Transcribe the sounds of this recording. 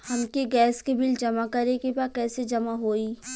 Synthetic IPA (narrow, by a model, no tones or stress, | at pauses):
hɐmkiɡɛːskebɪld͡ʒɐmakɐɾekebaːkɛːsed͡ʒɐmaɦoːiː